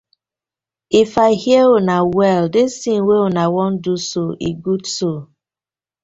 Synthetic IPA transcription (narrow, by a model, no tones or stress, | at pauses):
ifaɪhieonawɛldɪsĩŋweonawɔn̩dusoʔḭɡudso